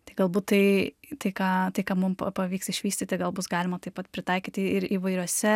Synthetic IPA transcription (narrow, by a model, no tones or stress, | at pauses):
t̪ɐɪɡɐlˠbuːt̪t̪ɐɪt̪ɐɪkɑːt̪ɐɪkɑːmʊmpɐpɐʋʲiːksɪʃʲʋʲiːsʲt̪ʲɪt̪ʲɪɡɐlˠbʊsɡɑːlʲɪmɐt̪ɐɪpɐt̪pʲɾʲɪt̪ɐɪkʲiːt̪ʲɪɾiːʋɐɪɾʲuɔsʲɛ